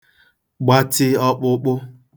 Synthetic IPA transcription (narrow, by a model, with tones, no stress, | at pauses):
ɡ͡ba˦tɪ˦ɔ˦k͡pʊ˦k͡pʊ˦